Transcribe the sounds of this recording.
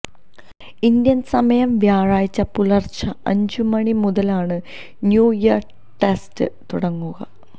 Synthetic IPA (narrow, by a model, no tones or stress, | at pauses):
ind̪jɐnsɐmɐjɐmʋjaːɻaːjit͡ɕːɐpulɐrt͡ɕɐɐɲd͡ʑumɐɳimuðɐlaːɳɨ | njuːjɐr | ʈestɨ̰t̪uɽɐŋːuɣɐ̰